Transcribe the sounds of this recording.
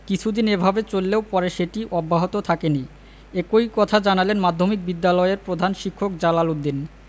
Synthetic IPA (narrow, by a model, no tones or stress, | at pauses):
kit͡ɕʰud̪inebʱabet͡ɕolːeopɔɾeʃeʈiʔɔbːaɦot̪ot̪ʰakeni | ekojkɔt̪ʰad͡ʑanalenmad̪ʱːomik̚bid̪ːalɔeeɾpɾod̪ʱanʃikʰːok̚d͡ʑalalod̪ːin